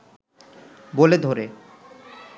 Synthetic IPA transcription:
boled̪ʱoɾe

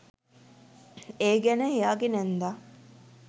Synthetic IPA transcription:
eːɡɛnəɦejaːɡenænd̪aː

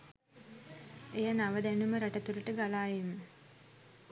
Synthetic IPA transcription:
ejanaʋəd̪ænuməɾaʈət̪uɾəʈəɡalaːjemə

